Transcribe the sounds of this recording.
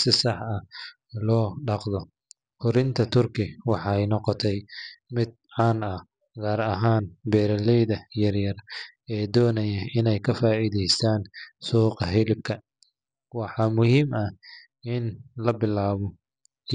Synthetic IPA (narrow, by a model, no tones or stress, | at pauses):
sɪsɑħɐ | lɔːɖɑqðɔ | kʊɾɪnt̪ʰɐt̪ʰʊrkʰɪwɑħɑjnɔqɔt̪ʰɛjmɪd̪̚ʕɑːnɐ | ɣaːɾɐɦaːnbɛːɾɐlɛjðɐjɐrjɐr | ɛːd̪ɔːnɐjɐɪnɛjkʰɐfaːʔiːðɛjst̪ʰaːnsuːqɑɦɪlɪb̚kʰɐ | wɑħɑmʊhiːmɐh | ɪnlɐbɪlaːβɔ